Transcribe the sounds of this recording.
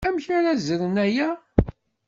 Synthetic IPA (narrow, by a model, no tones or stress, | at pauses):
æmçaɾæzəɾənæjæ